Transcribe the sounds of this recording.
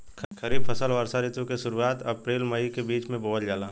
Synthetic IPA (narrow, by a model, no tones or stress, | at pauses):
kʰəɾiːb̚pʰəsəlʋəɾsaɾɪt̪õkeʃʊɾuaːt̪ɐpɾeːlməikebiːt͡ʃmẽboːɦəld͡ʒaːlaː